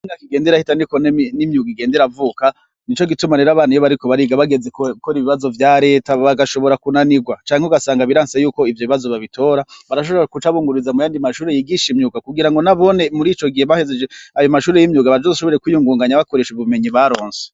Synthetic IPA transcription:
iɲakiɡe̞ːndeɾahitaniko̞nnimɲuːɡiɡe̞ːndeɾavuːka | nit͡ʃo̞ɡitumaneɾaβaːnijoβaɾiko̞βaɾiɡaβaɡe̞zekkoɾiβiβazo̞vjaːɾe̞ːtaβaɡaʃo̞βo̞ɾakunaniɡwat͡ʃaːɲheuɡasaːŋɡaβiɾaːnsejuːko̞ivjo̞βiβazo̞βaβitʰo̞ːɾaβaɾaʃ̬oβoɾakut͡ʃaβuːŋɡuɾizamujaːndimaʃuːɾejiɡiʃimɲuːɡakuɡiɾaŋɡo̞naβo̞ne̞muɾiːt͡ʃo̞ɡihe̞βahezed͡ʒeajo̞maʃuːɾejimɲuːɡaβad͡ʒozuʃoβoɾekwijuːŋɡuːŋɡaɲaβako̞ɾe̞ʃuβume̞ɲiβaɾo̞ːnse

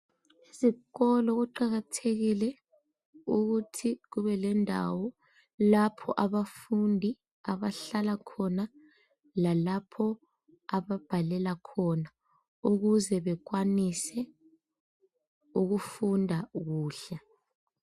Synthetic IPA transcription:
iziɣɔlɔɣuǃaɣatʰeɣilɛ | uɣutʰiɣuβɛlɛndʱa̰wɔ | lapʰɔ̰ʔaβafundʱi | aβaɬalakʰɔna | lalapʰɔ | aβab̥ʱalɛlakʰɔna | uɣuzɛβɛk̬wanisɛ | uɣufundʱaɣuːɬɛ

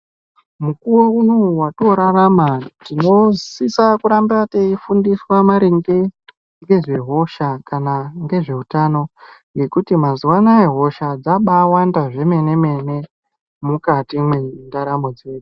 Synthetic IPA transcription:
mukuwouno̞watoɾaramatino̞zsisakuɾambateifundiswamaɾiŋɡe | ŋɡe̞ʐe̞ɦo̞ʃakanaŋɡe̞ʐe̞utano̞ŋɡe̞kutimazuwanae̞ɦo̞ʃad͡zaɓawandaʐe̞me̞ne̞me̞ne̞ | mukatimwendaɾamod͡ziweːd͡zi̥

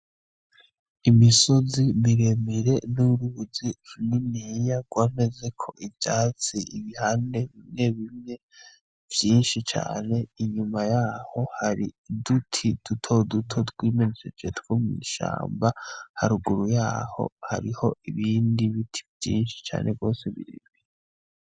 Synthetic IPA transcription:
imiso̞zimiɾe̞miɾe̞nuɾuβuziɾuninijaɡ̥waːme̞ze̞kʰo̞ʔivjaːt͡siʔiβihaːnde̞βimɲe̞βimɲe̞ | v̥jiːnʃit͡ʃa̰ːne̞iɲumajaːho̞haɾḭdutʰid̥utʰo̞dutʰo̞twiːmenit͡ʃed͡ʒetkomḭʃa̰ːmbahaɾuɡuɾujaːho̞̰ha̰ɾiho̞iβiːndiβitʰi̥vjḭːnʃi̥t͡ʃa̰ːnʔe̞ɡo̞ːseβḭɾḛmiɾɾe

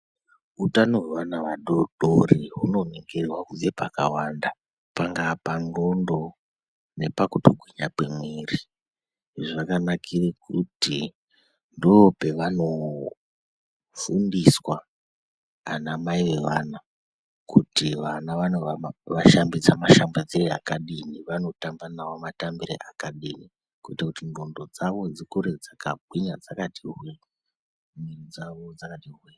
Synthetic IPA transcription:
utanoɦweʋanaʋaɗoɗoriɦuno̞neŋɡerwakud͡zepaka̰wanda | paŋɡapano̞ndo | ne̞pakutoɡʱwiɲapemweːri | ʐiʋakanakʰirekʰuti | ndoope̞ʋano̞ | fundiswaː | namaiʋe̞ʋana | kutiʋanaʋanoʋaʃambid͡zamaʃambad͡zirea̰kaɗiniʋano̞tambanawomatambiɾḛʔakaɗini | kuitakutimbondo̞d͡zaʋo̞d͡zikuɾed͡zakabʱwiɲa̰d͡zakatiɦwe | mirid͡zaʋod͡zakatirwe

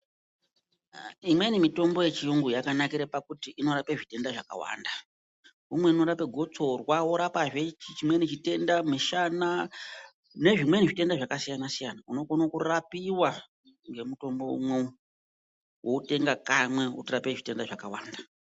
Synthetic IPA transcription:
imwe̞nimito̞mbo̞je̞t͡ʃiuŋɡujakanakiɾapakutiʔino̞ɾapeʐite̞ndaʐaka̰wa̰ːnda | umwe̞ino̞ɾape̞ɡʱot͡so̞rwawo̞ɾapaʐet͡ʃit͡ʃimwe̞nit͡ʃite̞ndamiʃana | ne̞ʐimwe̞niʐite̞ndaʐakasijanasijanauno̞konokurapiwa | ŋɡe̞muto̞mbo̞ṵmwe | wʔo̞ute̞ŋɡakamwe̞ṵtirapeʐite̞ndaʐakawa̰ːnda

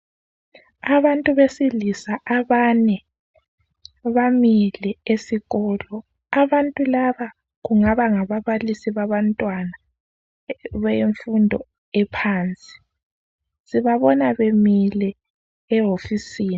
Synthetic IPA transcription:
aβantʼuβesilisaʔaβanɛ | βamilɛesiɣɔːlɔ | aβantʼulaβa | ɣuŋaβaŋaβaβalisiβaβantʼwana | βɛjeɱfundʱɔ̰ | ɛpʰaːnt͡sʼi̥ | siβaβɔnaβemilɛ | ɛɦofisiːni

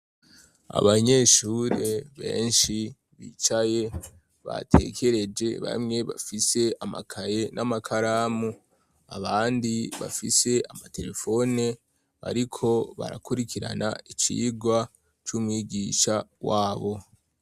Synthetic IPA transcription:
a̰βaɲe̞ʃuːɾe̞βe̞̰ːnʃi | βḭːt͡ʃaje̞ | βa̰tʰe̞kʰe̞ɾe̞d͡ʒe̞βa̰mŋe̞βafise̞ʔama̰kʰaje̞nʔamakʰaɾaːmu | aβaːndiβa̰fise̞ʔamate̞ɾe̞fo̞ne | a̰ɾikʰo̞βa̰ɾakuɾikiɾa̰na̰it͡ʃḭːɡwa | t͡ʃuːmwiːɡiʃawaːβo̞

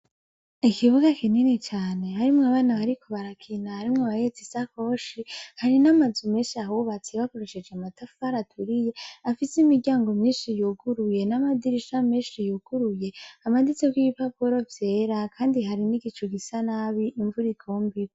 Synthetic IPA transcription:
ikʰiβuɡakininit͡ʃaːne̞ɦaɾimŋaβaːnaβaɾikʰo̞βaɾakʰinahaɾimŋoβajet͡sisako̞ʃihaɾinamazumeːnʃiaɦuβat͡siβako̞ɾe̞ʃe̞d͡ʒeamatafaɾatʰuɾije̞afisimiɡɟaːŋɡo̞mɲiːnʃijuɡuɾuje̞namadiɾiʃamiːʃijuɡ̥uɾuje̞amadit͡sekwiβipapuɾo̞vje̞ːɾakʰaːndiɦaɾiniɡit͡ʃuɡisanaβiʔːɱvuɾikʰo̞ːmbi

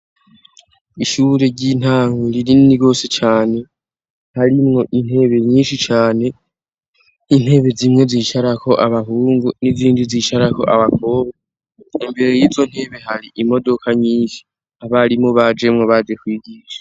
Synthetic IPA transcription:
iʃuːɾe̞ɟin̥aːŋɡuɾiɾiiɡo̞ːset͡ʃaːne̞ | haɾimŋo̞ʔin̥he̞ːβe̞ɲiːnʃit͡ʃaːne̞ | nin̥he̞βe̞zimŋe̞ziːʃaɾakʰo̞ʔaβaɦuːŋɡuniziːndiziːʃaɾako̞̰ʔaβakʰo̞ːβe | imbe̞ɾejiːzo̞n̥he̞ːβe̞haɾiʔimo̞do̞kʰaɲiːnʃi̥ | aβaɾimoβad͡ʒemŋoβad͡ʒe̞kwiːɡiːʃḁ

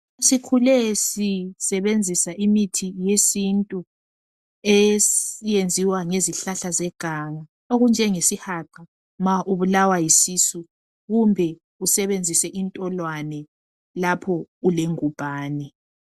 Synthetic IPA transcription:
sikʰulɛsisɛβend͡zʱisaʔimitʰijesintʼu | esijend͡zʱiwaŋeziɬaɬazɛɡ̥ʱaŋa | oɣund͡ʒʱɛŋesihaǃa | maʔuβulawajisisu | ɣumbʱɛ | usɛβend͡zʱisɛʔintʼɔlwanɛ | lapʰɔuleŋub̥ʱaːnɛ

